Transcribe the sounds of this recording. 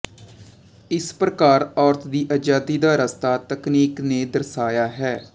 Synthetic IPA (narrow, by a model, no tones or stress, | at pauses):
ɪspɾəkaːɾɔːɾt̪ʰd̪iːʔad͡ʒaːd̪iːd̪aːɾəst̪aːt̪əkniːkneːd̪əɾsaːjaːɦɛː